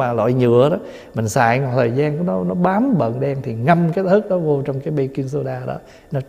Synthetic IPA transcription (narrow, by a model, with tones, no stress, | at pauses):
aː˨˩lɔ̰˧˨jɲɨ̰˧˨əɗɔ˨˦ | mï˨˩ŋ̟sa̰ː˧˩˨jŋɔ˨˩t̪ʰəː˨˩jzaː˧nknɔ˨˦nɔ˨˦ɓaː˨˦mɓə̰˧˨nɗɛ˧ŋt̪ʰi˨˩ŋa˧mka˦˥t̚t̪ʰɨ˦˥k̚ɗɔ˨˦vo˧t͡ɕɔ˧wŋ͡mkaː˨˦jɓə˧ki˧nso˧ɗaː˧ɗɔ̰˨˦ | nɔ˨˦